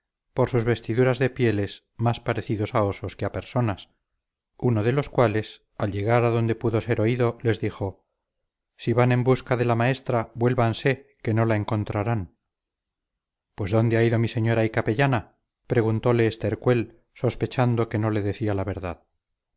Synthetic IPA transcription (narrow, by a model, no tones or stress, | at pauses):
po̞ɾsuzβe̞st̪iðuɾazðe̞pje̞le̞s | maspaɾe̞θiðo̞sao̞so̞skeape̞ɾso̞nas | uno̞ð̞e̞lo̞skwale̞s | alʝe̞ɣaɾaðo̞nd̪e̞puðo̞se̞ɾo̞iðo̞le̞zðiχo̞ | siβanẽ̞mbuskaðe̞lamae̞st̪ɾabwe̞lβanse̞ke̞no̞laeŋko̞nt̪ɾaɾan | pwe̞zðo̞nd̪e̞aiðomise̞ɲo̞ɾaikape̞ʝana | pɾe̞ɣ̞unt̪o̞le̞ːst̪e̞ɾkwe̞l | so̞spe̞t͡ʃand̪o̞ke̞no̞le̞ðe̞θialaβe̞ɾðað